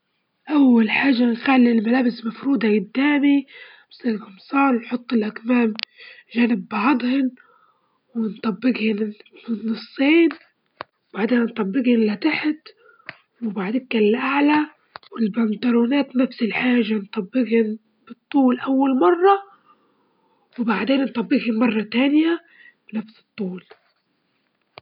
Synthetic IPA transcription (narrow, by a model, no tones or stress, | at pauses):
ʔawːalħaːʒanxalːilmalaːbɪsmafɾuːd̪aɡʊd̪ːaːmi | bsˤilɡɑmsˤɑːɾˤnħʊt̪ˤːɪlʔakmaːmʒanɪbːɑʕɑd̪ˤhɪn | wɪnt̪ˤɑbːɪɡhɪnɪnːɨsˤːiːn | wbaʕd̪eːnnt̪ˤɑbːɪɡhʊnlat̪aħt̪ | wɪbaʕd̪enkːallʔaʕla | wɪlband̪aɾuːnaːt̪nafsɪlħaːʒant̪ˤɑbːɪɡhʊn | b̥ɨt̪ˤːuːlʔawːalmɑrˤːɑ | wɪbaʕd̪eːnnt̪ˤɑbːɪɡhʊnmɑrˤːɑt̪aːnja | bnafsɨ̥t̪ˤːuːl